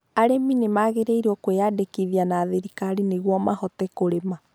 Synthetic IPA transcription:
aɾeminemaɣeɾeiɾuɔkweadekiðianaðeɾikaɾineɣwɔmahɔt̪ɛkoɾema

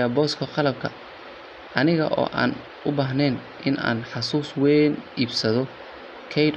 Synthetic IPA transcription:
ɐbɔːskʰɐqɑlɐb̚kʰɐ | ʔɐnɪɣɐ̰ʔɔ̰ːʔa̰ːn | ʔʊbaːɦnɛːn | ʔɪnʔa̰ːnħɑsuːswɛniːbsɐðɔ | kʰɛjd

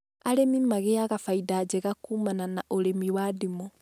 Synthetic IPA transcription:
aɾemimaɣeaɣafaidaːd͡ʒɛɣakuːmananaʔoɾemiwadimɔ

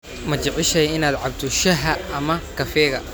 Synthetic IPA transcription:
mɐt͡ʃɐʕɪʃɛjɪnaːd̪ʕɑbt̪ʰɔʃɐɦɐʔːmɐkʰɐfɛːɣɐ̰

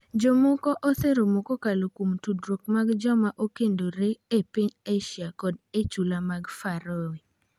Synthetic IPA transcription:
d͡ʒomɔkɔʔɔt̪eɾomokokalokumtudɾok̚maɡd͡ʒɔmaʔokendoɾeepiɲeʃjakɔdet͡ʃulamaɡfaɾoe

